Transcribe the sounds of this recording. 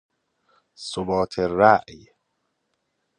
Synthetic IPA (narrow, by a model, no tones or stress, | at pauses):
sobɒːt̪ʰeræʔj